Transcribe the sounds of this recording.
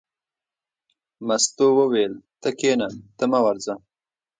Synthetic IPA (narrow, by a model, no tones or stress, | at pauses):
mɐst̪owəwelt̪əkeːnat̪əmawaɾza